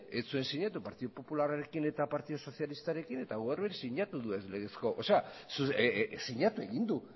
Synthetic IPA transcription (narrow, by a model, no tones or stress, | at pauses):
et͡sue̞nsiɲat̪upaɾt̪iðopo̞pulaɾaɾe̞kine̞t̪apaɾt̪iðoso̞θjalist̪aɾe̞kine̞t̪aɣoaɾβeɾisiɲat̪uðuezle̞ɣesko̞ʔose̞asusiɲat̪ue̞ɣind̪u